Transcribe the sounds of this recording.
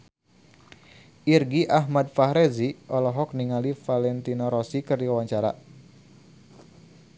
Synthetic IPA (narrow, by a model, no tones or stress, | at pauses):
ʔirɡiʔaɦmad̚faɦɾeziʔɔlɔɦɔk̚niŋalifalɛnt̪inɔɾɔsikɨrdiwawaɲt͡ʃaɾa̰